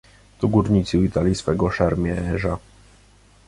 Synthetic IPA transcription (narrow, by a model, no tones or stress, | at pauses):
t̪ɔɡuɾɲit̪sɨit̪alʲisfɛɡɔʂɛɾmʲjɛɛʐa